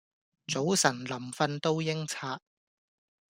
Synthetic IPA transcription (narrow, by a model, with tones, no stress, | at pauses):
t͡so˨˥wsɐ˨˩nlɐ˨˩mfɐ˧nt̪o˥wjɪ˥ŋt͡sʰaː˧˥t̚